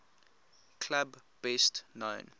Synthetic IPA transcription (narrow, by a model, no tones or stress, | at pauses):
kʰlabbɛstnõʊn